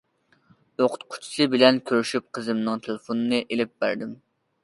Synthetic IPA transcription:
joqʰʊ̥t̪qʰʊ̥t͡ʃʰsɨbɪlɛnkʲʰøɾyʃyp̚qʰəzɨmnɨŋt̪ʰelˠɪfonɨnɨʔelɪp̚bæɾd̪ɪm

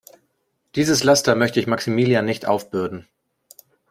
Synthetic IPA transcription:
d̥iːzəslastɐmœçtəɪçmaksimiːljanɪçtʔa̰ʊfb̥ʏɐdn̩

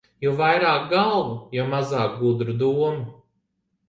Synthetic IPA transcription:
juvajɾaːk̚ɡalˠvujɔmazaːk̚ɡud̪ɾud̪uɔmu

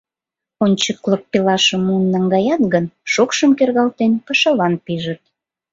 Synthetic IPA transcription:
onʲt͡ɕəklək̚pelɑʃəmunːɑŋɡɑjɑt̪ɣənʃokʃəmkerɣɑlt̪enpəʃəlɑnpiʒət̪̚

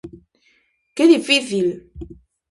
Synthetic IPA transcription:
kelifiθil

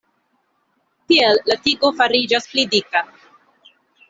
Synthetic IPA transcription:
tielːat̪iɡofaɾid͡ʒasplid̪ika

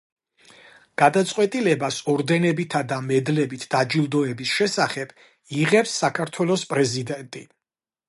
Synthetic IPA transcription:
ɡ̥ad̪at̪sʼqʼwɛt̪ʼilɛbasɔɾd̪ɛnɛbit̪ʰad̪amɛd̪lɛbit̪ʰd̪̥ad͡ʒilˠd̪ɔɛbisʃɛsaχɛb̥ | iʁɛpsːakʰaɾt̪ʰwɛlˠɔspʼɾɛzid̪ɛnt̪ʼi

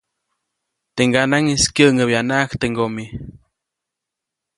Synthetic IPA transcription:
t̪eŋɡanaŋiskjəʔŋəbjanaʔkt̪eŋɡomi

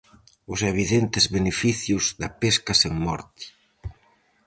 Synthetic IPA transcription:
ʊseβ̞iðent̪ɪzβenefiθjʊzðɐpeskɐseŋmɔ̰ɾt̪i̥

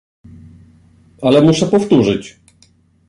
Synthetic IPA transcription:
alɛmuʂɛpɔft̪uʐɘt͡ɕ

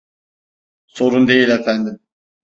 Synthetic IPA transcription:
so̞ɾund̪e̞jilʲefænd̪im

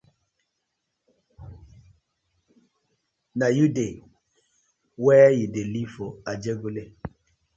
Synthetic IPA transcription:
najude | wɛjidelifoad͡ʒeɡule

